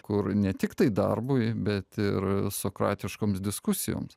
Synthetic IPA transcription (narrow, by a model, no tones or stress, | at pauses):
kʊɾnʲɛt̪ʲɪkt̪ɐɪd̪ɐ̰rbʊɪbʲɛt̪ɪɾsoːkɾɑ̰ːt̪ʲɪʃkoːmsd̪ʲɪskʊsʲɪjo̰ːms